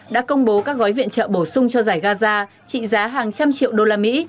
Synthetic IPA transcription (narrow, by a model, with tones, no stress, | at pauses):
ɗa̰ː˧˥kə˧wŋ͡mɓo˨˦kaː˦˥k̚ɣɔ˨˦jvḭ˧˨ənt͡ɕə̰ː˧˨ɓo˧˩sʊ˧ŋ͡mt͡ɕɔ˧zaː˧˩jɣaː˧zaː˧ | t͡ɕḭ˧˨zaː˨˦ɦaː˨˩ŋt͡ɕa˧mt͡ɕḭ˧˨əwɗo˧laː˧mḭ˧˥